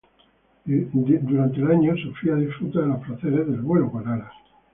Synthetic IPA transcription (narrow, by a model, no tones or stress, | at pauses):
d̪uɾant̪elaɲosufɾiaðifɾut̪aðelasfɾaθeɾezðelβwe̞lokonaɾas